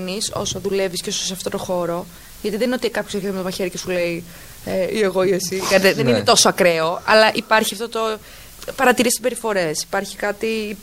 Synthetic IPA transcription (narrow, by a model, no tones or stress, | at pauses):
niso̰soðule̞visco̞soseɐft̪o̞t̪oxo̞ɾo̞ | ʝɐt̪iðeninot̪ikɐpçoseɾçet̪mt̪mɐçeɾicesule̞i | eieɣo̞iesikɐit̪eðeninet̪o̞soɐkɾe̞o̞ɐ̰lɐʔipɐɾçiɐft̪ot̪o̞ | pɐɾɐt̪iɾisibe̞ɾifo̞ɾe̞si̥pɐɾçi̥kɐt̪i